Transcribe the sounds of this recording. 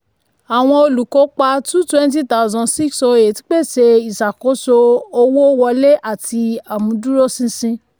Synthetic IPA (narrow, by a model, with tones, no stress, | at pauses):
a˨w̃ɔ̃˧o˧lu˨ko˨˦k͡pa˧tũ˦twɛ̃˦n˦t̬i˦ta˦u˨zɔ̃˧si˦kso˧e˨ti̥˦k͡pe˦˨ʃe˧i˨sa˨ko˨˦so˧o˧wo˦wɔ˧le˦ʔa˦˨ti˧a˨mũ˨˧du˦ɾo˦sĩ˧sĩ˧